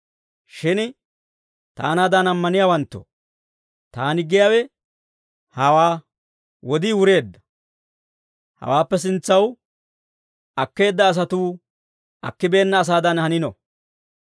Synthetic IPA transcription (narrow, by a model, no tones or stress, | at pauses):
ʃɪn | t̪a̰ːnaːd̪ɐnɐmːɐnɪjaːwɐnt̪ːɔ̰ | t̪aːnɪɡɪjaːwɛ | hɐwaː | wɔd̪iwʊɾe̞ːd̪ːɐ̥ | hɐ̰waːpːɛs̬ɪnt͡sːɐw | ɐkːe̞ːd̪ːɐːs̬ɐt̪uː | ʔɐ̰kːɪbe̞ːnːɐːs̬aːd̪ɐnhɐnɪnɔ̰